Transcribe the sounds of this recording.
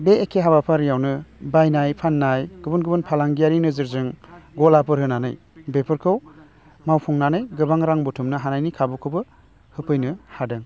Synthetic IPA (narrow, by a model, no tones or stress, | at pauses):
beːkʰeɦabapʰaɾijawnɯbajnajpʰanːajɡɯbɯnɡɯbɯnpʰalaŋɡijaɾinɯzɯɾzɯŋɡɔlapɯɾɦɯnanɯj | bepʰɯɾkʰɯw | mawpʰɔŋnanɯjɡɯbaŋɾaŋbutʰumnɯɦanajnikʰabukʰɯbɯ | hɯpʰɯjnɯhadɯŋ